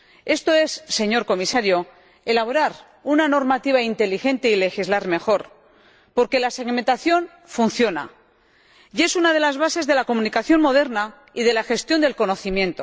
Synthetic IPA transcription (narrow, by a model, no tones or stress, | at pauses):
e̞st̪o̞e̞sːe̞ɲo̞ɾko̞misaɾjo̞ | e̞laβo̞ɾaɾ | unano̞ɾmat̪iβ̞aint̪e̞lixe̞nt̪e̞ile̞xizlaɾme̞xo̞ɾ | po̞ɾke̞lase̞ɣment̪aθjo̞n | funθjo̞na̰ | je̞sunað̞e̞lazβase̞zðe̞lako̞mũnikaθjo̞nmo̞ð̞e̞ɾna | iðe̞laxe̞st̪jo̞nd̪e̞lko̞no̞θimjẽ̞nt̪o̞